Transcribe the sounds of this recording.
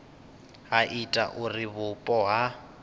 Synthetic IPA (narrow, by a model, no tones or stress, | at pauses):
ɦaʔitʼa̰ʔuriβʊpʼɔɦa